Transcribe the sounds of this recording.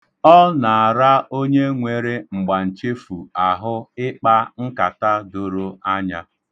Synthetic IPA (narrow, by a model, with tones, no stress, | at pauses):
ɔ˦na˨a˨ɾa˦o˦ɲe˦ŋʷe˨ɾe˦ŋ͡m̩˨ɡ͡ba˨n̩˨t͡ʃe˦fu˨a˨ɦʊ˦ɪ˦k͡pa˦ŋ̩˦ka˨ta˦do˨ɾo˦a˦ɲa˦